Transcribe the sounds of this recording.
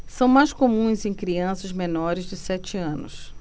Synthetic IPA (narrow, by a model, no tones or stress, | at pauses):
sɐ̃w̃majskomũj̃zẽj̃kɾiɐ̃sɐzmẽnɔɾɪzd͡ʒɪsɛt͡ʃɪɐ̃nʊ̰s